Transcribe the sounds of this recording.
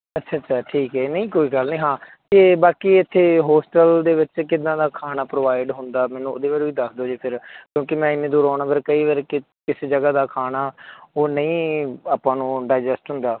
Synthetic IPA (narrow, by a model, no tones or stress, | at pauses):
ətːʃʰaːət͡ʃʃʰaːʈʰiːkɦɛːnə̃ĩːkoːiːɡəlnĩːɦãːt̪eːbaːkiːɪt̪ʰːeːɦoːsʈəld̪eːʋɪt͡ʃkɪd̪ãːd̪aːkʰaːnaːpɾoːʋaːɪɖɦʊnd̪aːmɛːnũːod̪eːʋaːɾːʋiːd̪əkʰd̪oːd͡ʒiːpʰɪɾkjõːkimɛ̃ːɪnːẽːd̪ʊːɾaːɳaːpʰəɾkəiːʋəɾkɪ | kɪseːd͡ʒəɡaːd̪aːkʰaːnaːoːnəĩːaːpːãːnũːɖaːɪd͡ʒɛsʈɦʊ̃nd̪aː